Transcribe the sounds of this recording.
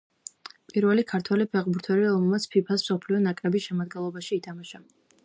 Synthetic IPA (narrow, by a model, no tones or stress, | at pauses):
pʼiɾvɛlikʰaɾt̪ʰwɛlipʰɛχbuɾt̪ʰwɛɾiɾɔmɛlˠmat̪sʰpʰipʰasmsɔpʰliɔnakʼɾɛbisʃɛmad̪ɡɛnlˠɔbaʃiːt̪ʰamaʃa